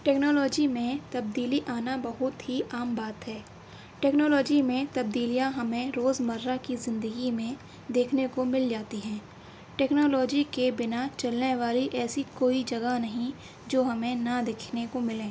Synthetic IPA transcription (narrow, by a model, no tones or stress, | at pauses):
ʈeːknoːlɔːd͡ʒimẽt̪ɐb̚d̪iːliʔaːnabɐɦʊt̪ɦiʔaːmbaːt̪ɦɛː | ʈɛːknoːlɔːd͡ʒimẽt̪ɐb̚d̪iːlijãɦɐmẽɾoːzmɐɾːakizɪ̃nd̪əɡimẽ | d̪eːkʰnekomɪld͡ʒaːt̪iɦɛ̃ː | ʈɛːknoːlɔːd͡ʒikebɪnat͡ʃɐlneʋaːliʔɛːsikoːid͡ʒɐɡanɐɦĩ | d͡ʒoːɦɐmẽnad̪eːkʰnekomɪlẽː